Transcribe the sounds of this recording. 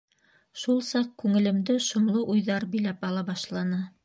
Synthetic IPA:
ʃulˠsɑq̚kʉŋɘ̆lɘ̆md̪ɘʃŏmlˠɤʔujðɑɾbɵ̆jlæpɑlˠɑbɑʃlˠɑnɤ

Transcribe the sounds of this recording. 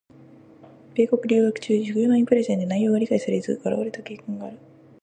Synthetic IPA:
b̥e̞ːko̞kɯ̟ɾʲiːɡakɯ̟̥t͡ɕɨːd͡ʑɨkɯ̟jonoĩmpɯ̟ɾeʑãɲd̪enaijːo̞ːɡaɾʲikaisaɾeizɨ̰ɡaɾa̰aɾet̪akʲeːkɯ̃ŋɡaːɾɯ̟

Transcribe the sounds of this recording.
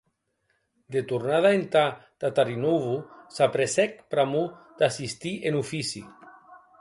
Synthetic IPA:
d̪et̪uɾnað̞aent̪ad̪̥at̪aɾinuβusapɾesɛk̚pɾamud̪̥asist̪iʔenufisḭ

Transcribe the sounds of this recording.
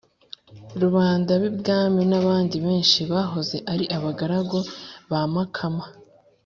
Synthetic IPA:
ɾuβaːndaβibɡaːminaβaːndiβe̞ːnʃiβaːɦo̞ze̞ʔaɾiʔaβaɡaɾaɡo̞βaːmakʰama

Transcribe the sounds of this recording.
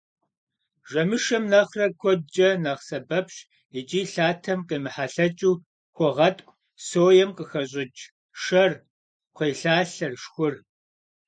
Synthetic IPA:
ʒɐmɨʃɐmnɐχrɐkʷʰɔd͡ʒʼɐnɐʁsɐbɐpɕ | it͡ʃʼiːɬaːtʰɐmqəmɨħaɬɐt͡ʃʼuː | xʷɔʁɐtʼkʷʼ | soːjɛmqʼəxɐɕ̬ʼɪt͡ʃ | ʃɐr | qʷʰejɬaːɬɐrʂxʷʊr

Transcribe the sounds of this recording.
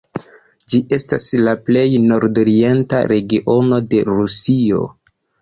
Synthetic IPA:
d͡ʒiʔe̞staslaple̞jno̞ɾdo̞ɾie̞nta̰ɾe̞ɡiʔo̞no̞de̞ɾusio̞̰

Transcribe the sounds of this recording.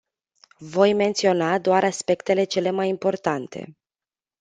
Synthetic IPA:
vo̞jme̞nt̪sio̞nad̪oaɾaspe̞kt̪e̞le̞t͡ʃe̞le̞majimpo̞rt̪ant̪ʰe̞̰

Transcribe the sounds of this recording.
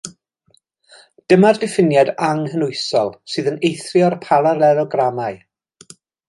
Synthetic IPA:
d̥əmardɪfɪnjadaŋɦənʊɨsɔlˠsɨːðənejθrɪɔrpʰalˠaɾɛɾɔɡramaj

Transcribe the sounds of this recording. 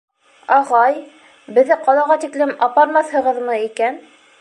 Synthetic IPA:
ɑʁɑj | bɘ̆ðːɘqɑlˠɑʁɑt̪iklɘmɑpɑɾmɑθhɤ̆ʁɤðmɤikæn

